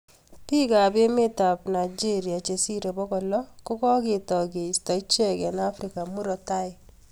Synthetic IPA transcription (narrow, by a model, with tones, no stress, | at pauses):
pi˦ka˨be˦me˦ta˨pna˨id͡ʒi˦ɾja˨t͡ʃe˨si˦ɾe˨bɔ˦kɔ˨lɔ˦kʊ˦kɔ˦kɪ˨tɔ˨ɡe˨stɔ˨i˦t͡ʃɛ˦kɛ˨na˦fɾi˨ka˨mu˦ɾɔ˨ta˦ɪ˨